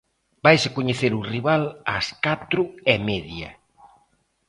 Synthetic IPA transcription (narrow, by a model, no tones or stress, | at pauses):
bajsɪkoɲeθeɾʊriβalaskat̪ɾʊemɛðjɐ̰